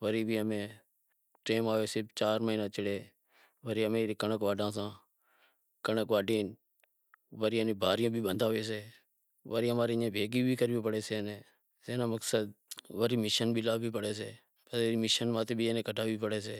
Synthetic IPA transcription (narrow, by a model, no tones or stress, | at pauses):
ʋəɾiːbʱiːəmẽː | ʈeːmaːʋeːsɪpʰt͡ʃaːɾməiːnãːt͡ʃɪɽeː | ʋəɾiːəmẽːɾiːkəɳəkʋaːɖãːsãː | kəɳəkʋaːɖiːn | ʋəɾiːəniːbʱaːɾɪjõːbʱiːɓənd̪ʱaːʋeːs̬eː | ʋəɾiːəmaːɾeẽːbʱeːɡiːbʱiːkəɾːʋiːpəɽeːseːnẽː | seːnãːməksəd̪̚ʋəɾiːmɪʃənbiːlaːbʱiːpəɽeːseː | əeːɾiːmɪʃənmãːt̪eːbʱiːeːnẽːkəʈʰaːʋiːpəɽeːseː